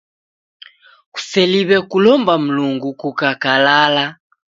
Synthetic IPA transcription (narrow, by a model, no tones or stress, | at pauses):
u̥sɛliβɛkulɔmbam̩luŋɡukukakalala